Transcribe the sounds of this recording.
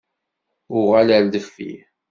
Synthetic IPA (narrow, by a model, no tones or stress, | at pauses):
ʊʁalæld̪əfːḭ